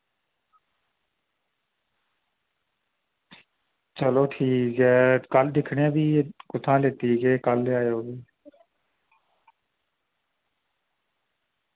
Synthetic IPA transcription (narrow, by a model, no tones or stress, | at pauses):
t͡ʃəloːʈʰiːkɦɛːkəld̪ɪkʰɽẽːbʱiːkʊt̪ʰãːleːt̪iːkeːkəlaːjoːbiː